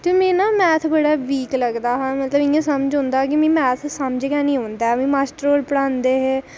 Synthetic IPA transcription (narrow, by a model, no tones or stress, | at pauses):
t̪eːmẽːnãːmɛːt̪ʰbəɽaːʋiːkləɡd̪aːɦɛ̃mət̪ləbɪ̃jãːsəməd͡ʒɦʊ̃ːnd̪aːkɪmĩːmɛːt̪ʰsəmd͡ʒɡaːnĩːõːnd̪aːmĩːmaːsʈɾoːlpəɽãːnd̪eːɦeː